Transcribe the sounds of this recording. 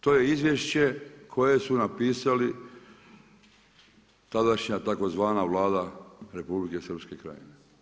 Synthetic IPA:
t̪o̞ːje̞izʋje̞ʃt͡ɕe̞kʰo̞je̞sunapiːsali | t̪ad̪aʃɲat̪ako̞zʋaːnaʋlˠaːd̪aɾe̞publike̞sər̩pske̞kɾa̰jḭne

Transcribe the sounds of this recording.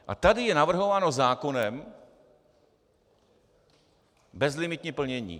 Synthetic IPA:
ʔa̰t̪adɪjɛnavr̩ɦo̞vaːno̞zaːko̞nɛm | bɛzlɪmɪt̪ɲipl̩ɲɛɲḭː

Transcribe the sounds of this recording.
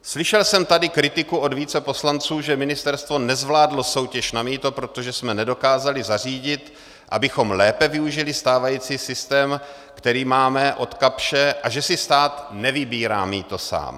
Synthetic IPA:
slɪʃɛlsɛmt̪adɪkɾɪt̪ɪkuʔo̞dviːt͡sɛpo̞slant͡suːʒɛmɪnɪst̪ɛɾst̪vo̞nɛzvlaːdlo̞so̞wcɛʃnamiːt̪o̞pɾo̞t̪o̞ʒɛsmɛnɛdo̞kaːzalɪzar̝iːɟɪt̪ | ʔa̰bɪxo̞mlɛːpɛvɪuʒɪlɪst̪aːvajiːt͡siːsɪst̪ɛːm | kt̪ɛɾiːmaːmɛʔo̞t̪kapʃɛʔaʒɛsɪst̪aːt̪nɛvɪbiːɾa̰ːmiːt̪o̞sa̰ːm

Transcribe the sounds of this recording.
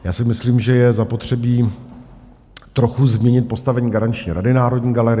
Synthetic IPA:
jaːsɪmɪsliːmʒɛjɛzapo̞t̪r̝̥ɛbiː | t̪ɾo̞xuzmɲɛɲɪt̪̚po̞st̪avɛɲiːɡaɾant͡ʃɲiɾadɪnaːɾo̞dɲiːɡalɛɾɪ

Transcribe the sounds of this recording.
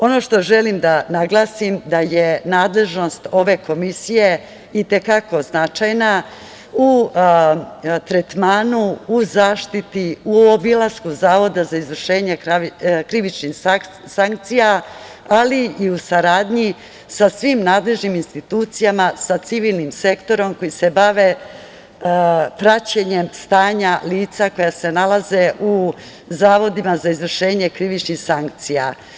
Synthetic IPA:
o̞no̞ʃt̪o̞ʒelimd̪anaɡlˠaːsimd̪aje̞naːd̪le̞ʒno̞st̪o̞ʋe̞ko̞misije̞ | it̪e̞kako̞znat͡ʃajna | u | t̪ɾet̪maːnuuzaːʃt̪it̪iuobilˠaskuzaːʋo̞d̪azaizʋr̩ʃe̞ːɲe̞kɾiʋit͡ʃnix | saŋk̚t̪sija | aliːusaɾaːd̪ɲi | sasʋimnaːd̪le̞ʒniminst̪it̪uːt̪sijamasat̪siʋiːlˠnimse̞kt̪o̞ɾo̞mko̞jise̞baʋe̞ | pɾat͡ɕeɲe̞mst̪aːɲaliːt̪sako̞jase̞nalazeʔu | zaːʋo̞d̪imazaizʋr̩ʃe̞ːɲe̞kɾiʋit͡ʃnixsaŋkt̪sija

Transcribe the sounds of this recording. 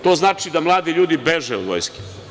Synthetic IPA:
t̪oːznaːt͡ʃid̪amlˠaːd̪iʎuːd̪ibeʒɛṵʋo̰jskʲe̥

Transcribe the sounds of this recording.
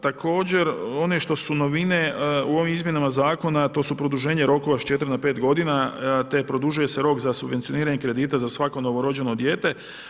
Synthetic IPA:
t̪akʰo̞ːd͡ʑe̞ɾo̞neʃt̪o̞suno̞ʋine̞uo̞ʋimizmjenamazaːko̞nat̪o̞supɾo̞d̪uʒe̞ːɲeɾo̞koʋaʃt͡ʃe̞t̪ɾnape̞ːt̪ɡo̞d̪inat̪e̞pɾo̞d̪uʒuje̞se̞ɾo̞kzasubʋe̞nt̪io̞niːɾaɲekɾe̞d̪iːt̪azasʋako̞no̞ʋo̞ɾo̞d͡ʑe̞no̞d̪je̞ːt̪e̞

